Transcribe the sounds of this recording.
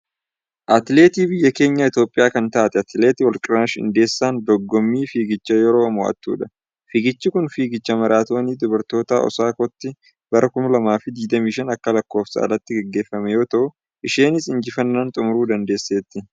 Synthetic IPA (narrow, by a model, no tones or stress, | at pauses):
ʔɐt̪le̞ːt̪iːbɪjːɐke̞ːɲːɐɪt̪joːpʼːɪjaːkɐnt̪aːt̪ɛɐt̪le̞ːt̪ɪwɐlkʼɪɾɐʃɪ̰nd̪e̞ːsːaːnd̪ɔɡːɔmːiːfiːɡɪt͡ʃːɐjɛɾo̞ːmɔːʔɐ̰t̪ːṵːᶑɐ | fɪɡɪt͡ʃːɪkʊnfiːɡɪt͡ʃːɐmɐɾaːt̪o̞ːniːd̪ʊbɐɾt̪o̞ːt̪a̰ːʔɔ̰saːkɔt̪ːɪ | bɐɾʔɐkʊmɐlɐmaːfɪd̪iːd̪ɐmiːʃɐnɐkːɐlɐkːo̞ːfsɐ̰ɐ̰lɐt̪ːɪɡɛɡːe̞ːfːɐmɛjo̞ːt̪ɐʔʊ | ʔɪʃe̞ːnɪsɪnd͡ʒɪfɐnːaːnt̪ʼʊmʊɾuːd̪ɐnd̪e̞ːsːeːt̪ːɪ